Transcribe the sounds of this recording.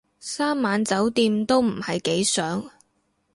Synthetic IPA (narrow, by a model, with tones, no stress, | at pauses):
saː˥mːaː˨˥nt͡sɐ˨˥wt̪iː˧mt̪o˥wm̩˨˩hɐ˨jke˨˥jsœː˨˥ŋ